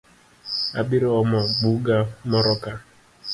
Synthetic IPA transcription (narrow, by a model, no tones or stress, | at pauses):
abɪɾɔɔmɔɡ͡buɡamɔɾɔka